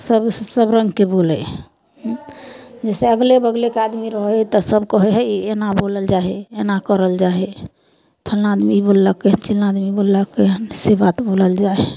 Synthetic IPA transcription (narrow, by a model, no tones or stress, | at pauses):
səbsəbɾəŋɡkebolɛ | ɦ | d͡ʒɛseəɡlebəɡlekead̪miɾəɦɛt̪əsəbkəɦeɦɛienaboləld͡ʒaɦeenakəɾəld͡ʒaɦɛ | pʰəlnaːd̪mibolːəkːeɦənt͡ʃilnaːd̪mibolːəkːeɦənsebat̪boləld͡ʒae